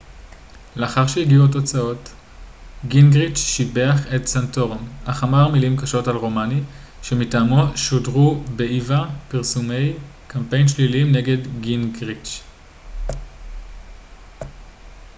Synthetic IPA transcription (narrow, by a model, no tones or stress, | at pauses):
le̞aχaʁʃejiɡiuat̬o̞t͡sao̞t | ɡinɡʁit͡ʃʃibe̞aχetsanto̞ʁnaχamaʁmilimkaʃo̞talʁomani | ʃe̞mitaːmoʃodʁube̞ʔivapiʁsume̞j | kampe̞jnʃlilimne̞ɡe̞dɡinɡʁit͡ʃ